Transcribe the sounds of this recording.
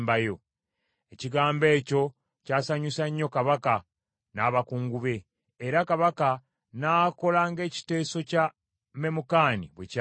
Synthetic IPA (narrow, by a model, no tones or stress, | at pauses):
mbajo̞ | e̞ciɡaːmbe̞ːco̞ | caːsaɲusaɲːo̞kaβaka | naːβakuːŋɡuβe̞ː | ɾakaβaka | naːko̞laːŋɡe̞ːci̥te̞ːso̞ca | me̞mukaːniβweca